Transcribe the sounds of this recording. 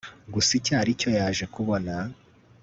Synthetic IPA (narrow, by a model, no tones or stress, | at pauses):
ɡusicaːɾico̞jaːʒe̞kuβo̞na